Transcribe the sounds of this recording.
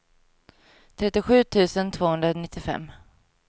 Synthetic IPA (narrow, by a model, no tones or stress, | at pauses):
t̪ʰɾɛt̪ːɪɧʉ̟ːt̪ʰʉ̟ːsənt̪ʰv̥oːhɵnd̪ɾanɪt̪ːɪfɛ̰mː